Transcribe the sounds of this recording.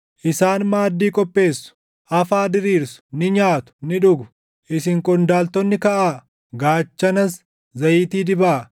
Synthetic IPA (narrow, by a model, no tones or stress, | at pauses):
ʔɪsaːnmaːd̪ːiːkʼɔpʼːe̞ːsːʊ̥ | ʔɐfaːd̪ɪɾiːɾsʊ̥nɪɲaːt̪ʊ̥nɪᶑʊɡʊ̥ | ʔɪsɪŋkʼɔnd̪aːlt̪ɔnːɪkɐʔaː | ɡaːt͡ʃːɐnɐs | zɐjiːt̪iːd̪ɪbaː